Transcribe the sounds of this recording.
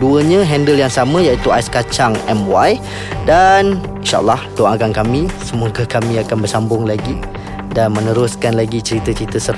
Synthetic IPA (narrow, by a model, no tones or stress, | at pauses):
duəɲãɦɛndəljaŋsamə̃jait̪uajskat͡ʃaŋɛmwaj | dan | inʃa̰ʔə̰lːahdoʔakankamĩsəmũəkakamĩakanbərsambʊŋlaɡi | danmə̃nəɾʊskanlaɡit͡ʃəɾit̪ət͡ʃəɾit̪əsər